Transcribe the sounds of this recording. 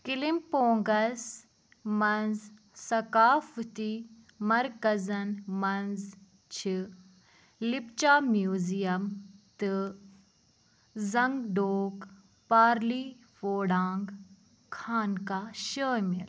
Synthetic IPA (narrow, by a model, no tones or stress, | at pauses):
kilimpoːŋɡɐs | mɐnz | sɐkaːft̪i | mɐɾkɐzɐnmɐnz | t͡ʃʰi | lipt͡ʃaːmjuːzijɐmt̪ɨ | zɐŋɡɖoːk | paːɾliː | foːɖaːŋɡ | kʰaːnkaʃəːmil